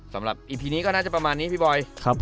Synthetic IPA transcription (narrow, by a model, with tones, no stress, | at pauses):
sa˩˦mɾa˨˩p̚ʔiː˨˩pʰiː˧niː˦˥kɔː˥˩naː˥˩t͡ɕa˨˩pɾa˧maː˧nːiː˦˥pʰi˥˩bɔː˧jkʰɾa˦˥pʰ